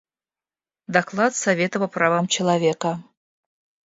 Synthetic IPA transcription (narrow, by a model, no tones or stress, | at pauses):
d̪aklˠat̪sɐvʲet̪əpɐpravamt͡ɕɪlˠɐvʲekə